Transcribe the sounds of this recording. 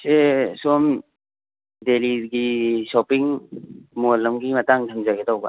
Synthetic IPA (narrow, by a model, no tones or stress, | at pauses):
sesɔm | deliɡisɔpiŋmolɐmɡimɐtaŋdʰʱamzaɡedawba̰